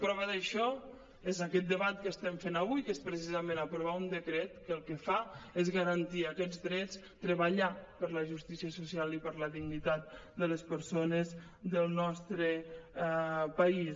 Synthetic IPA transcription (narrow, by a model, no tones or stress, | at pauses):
pɾɔβəðəʃɔ | ezakɛt̪̚d̪əβat̪̚kəst̪ɛɱfenaβujkespɾəs̬izəmenapɾuβ̞aund̪əkɾɛt̪kəlˠkəfaezɣəɾənt̪iəkɛd͡zd̪ɾɛt͡s | t̪ɾəβəʎapəɾləʒust̪isiəsusialˠipəɾləðiɣnit̪at̪̚d̪ələspəɾsonəz | d̪əlˠnɔst̪ɾə | pəis